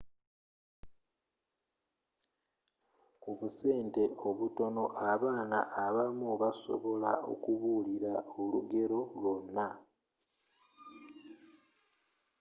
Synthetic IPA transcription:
kuβuse̞ːnte̞o̞βuto̞no̞ʔaβaːna̰ʔːβamuβaso̞̰βo̞lao̞̰kuβuːliɾaoluɡe̞ɾo̞lwonːa

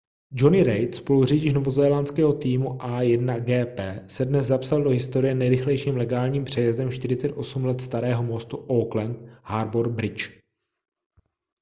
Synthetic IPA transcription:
d͡ʒonɪɾɛjt̪spo̞luriɟɪʃnovo̞zɛːlant͡skɛːɦo̞t̪iːmuʔajɛdnaɡɛːpɛːsɛdnɛzzapsaldo̞ɦɪst̪o̞ɾɪjɛnɛjɾɪxlɛjʃiːmlɛɡaːlɲiːmpr̝̥ɛjɛzdɛmʃt̪ɪɾɪt͡sɛt̪ʔo̞sumlɛt̪st̪aɾɛːɦo̞mo̞st̪uʔoklɛnt̪haɾboɾ̚bɾɪt͡ʃ

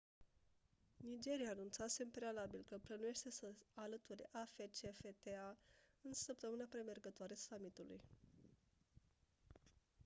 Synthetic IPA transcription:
nid͡ʒe̞ɾijaːnunt̪sase̞mpɾe̞alabilkəplənuje̞ʃt̪e̞səalət̪uɾeʔafet͡ʃefet̪eaɨnsəp̚t̪əmɨnapɾe̞me̞rɡət̪oaɾeasamit̪ulṵj

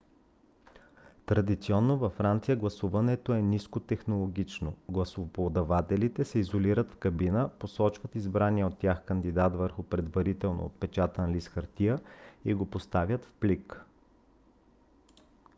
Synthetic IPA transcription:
t̪ɾɐd̪it̪siɔnːovɐfːɾant̪sijəɡlˠɐsuvɐnɛt̪oɛniskot̪ɛxnolˠoɡʲit͡ʃnoɡlˠɐsopod̪ɐvat̪ɛlit̪ɛsɛizoliɾət̪fkɐbinəposɔt͡ʃvət̪izbɾaniɛot̪ːjaxkənd̪id̪at̪vəɾxʊpɾɛd̪vɐɾit̪ɛlˠno̰o̰t̪pɛt͡ʃat̪ənlisxɐɾt̪ijəiɡopost̪avʲjət̪fplik

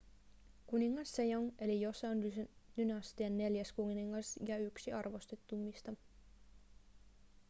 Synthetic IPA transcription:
kuniŋːɑsːejoŋe̞lijo̞sɑnd̥̪ynɑst̪ienːe̞ljæskunniŋːɑsjɑyksiɑrʋo̞st̪et̪ːumːist̪ɑ

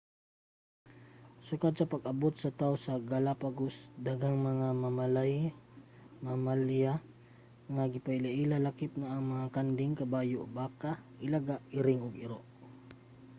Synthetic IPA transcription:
sʊkad̪̚sɐpɐɡɐbot̪̚sɐt̪awsɐɡalapaɡosd̪aɡaŋmɐŋamamalaj | mamalja | ŋaɡɪpaɪlaʔilalakɪp̚nɐʔːŋmɐŋakand̪ɪŋkɐbaːjoʔbaːkaʔɪlaɡaʔɪɾɪŋʊɡɪɾoʔ

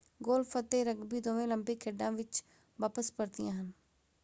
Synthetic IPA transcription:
ɡoːlpʰət̪ːeːɾəɡbiːd̪oːʋẽːləmbɪkʰːeɖãːʋɪt͡ʃ | ʋaːpəspəɾd̪ijã̰ːɦən

